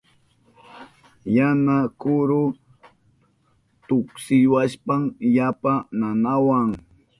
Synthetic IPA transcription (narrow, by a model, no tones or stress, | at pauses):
janakʊɾʊ | t̪ʊksɪwaʃpaŋjapananawaŋ